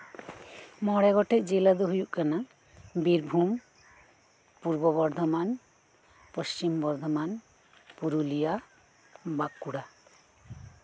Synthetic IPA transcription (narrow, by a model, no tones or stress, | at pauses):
mɔɽɛɡɔʈɛʔd͡ʒelad̪uɦujuʔkana | biɾbʱum | puɾbɔβɔɾd̪ʱɔman | pəst͡ɕimbɔɾd̪ʱɔman | puɾulija | bakːuɽa